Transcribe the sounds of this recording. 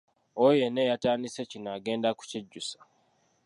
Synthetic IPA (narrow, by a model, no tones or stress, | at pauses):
ojenejataːnisecinaːɡe̞ːndaku̥ciɟːusḁ